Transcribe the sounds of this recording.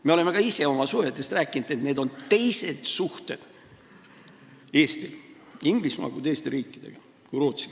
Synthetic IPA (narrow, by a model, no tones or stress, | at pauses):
me̞ole̞me̞kɑise̞o̞mɑsuhet̪ːˑe̞st̪ræːkːˑinud̪̥et̪ne̞ːd̪o̞nt̪e̞jse̞d̪̥suht̪e̞d̪̥ | e̞ːst̪i | iŋɡ̥lismɑ̰ɡut̪e̞ːst̪eɾiːkːˑid̪̥e̞̰ɡ̥ɑ | kuɾoːt̪si̥